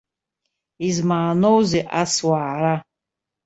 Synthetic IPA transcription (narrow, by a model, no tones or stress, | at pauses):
izmaːnowziʔaswaːɾa